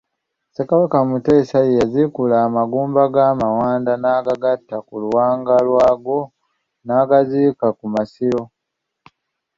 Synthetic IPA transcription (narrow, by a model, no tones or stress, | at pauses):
sekaβakamute̞ːsajejazikulaːmaɡuːmbaɡamawaːndanaːɡaɡatːakuluwaːŋɡalwaːɡo̞ | naːɡaziːkakumasiɾo̞